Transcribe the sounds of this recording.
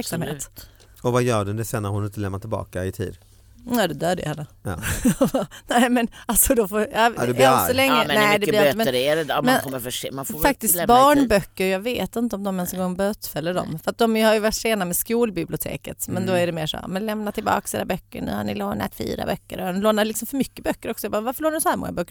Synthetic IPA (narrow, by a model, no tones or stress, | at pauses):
æɾkksamm̰ːt̪ | ɔvajœːɖʊnd̪ɛsɛnːaɾhʊnɪnt̪əlɛmnat̪ʰːɪlbɑ̰ːkaɪt̪ʰḭːd̪ | ɛːd̪ɛd̪øːd̪əjə̰hɛnːə̰ | nɛːmɛnalsɔd̪ɔfoːɑɛsɔlɛŋːəmnɛːd̪ɛløɛɾɛɛmɛnmːəfʂːmanffak̚t̪ɪst̪bɑːɳbœkːəɾjɑːɡveːt̪ɪnt̪əɔmd̪ɔmɛnsɔŋɡɔŋːbøːt̪fɛlːəɖɔ̰mfœɾat̪̚d̪ɔmjɵhaɾjɵvaʈːʂeːnamɛskuːlbɪblɪʊt̪ʰḛːkət̪mɛnd̪ɔæɖɛmeːʂɔ̰mɛnlɛmnat̪ʰːɪlbɑ̰ːksḭːɾabœkːə̰ɳʉ̰ːha̰nɪ̰loːna̰t̪fḭːɾa̰bœkːəɾɔnloːnaɾlɪksɔmfœɾmʏkːəbœkːəɾɔksɔjabɑːvaɾfəɭoːanɪsɔhæːɾmɔ̰ŋːabœkːəɾ